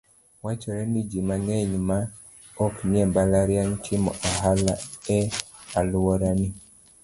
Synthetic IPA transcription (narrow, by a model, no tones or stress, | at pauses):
wat͡ʃɔɾɛnid͡ʒimanɛɲma | ɔkmɛmbalaɾjaŋtʰimɔ̰ʔaɦalaɛ | aluwɔɾani